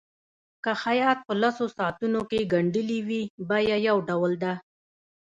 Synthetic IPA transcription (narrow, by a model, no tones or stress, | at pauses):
kaxajɑt̪̚pəlasosɑt̪unokeɡaɳɖəliwibajajawɖawəld̪a